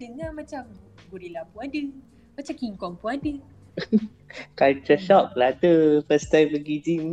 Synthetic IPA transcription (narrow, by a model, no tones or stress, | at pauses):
dəŋamat͡ʃam | ɡuɾilabuandɨŋ | mat͡ʃamkiŋkɔmpuandɨŋ | kalt͡ʃəʃɔʔ̚pəladəfəst̪ajbəɡid͡ʒiŋ